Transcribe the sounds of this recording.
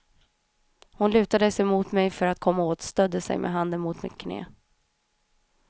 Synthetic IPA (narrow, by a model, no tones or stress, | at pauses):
hʊnlʉ̟ːt̪ad̪əsɛmuːt̪mɛjfœɾat̪̚kʰɔmːaoːt̪st̪œd̪ːəsɛ̰jmʔɛ̰ɦand̪ənmʊt̪mɪ̰t̪kʰnḛː